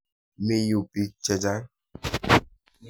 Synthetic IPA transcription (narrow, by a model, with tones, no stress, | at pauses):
me˨ju˨pi˨t͡ʃɛ˨d͡ʒa˦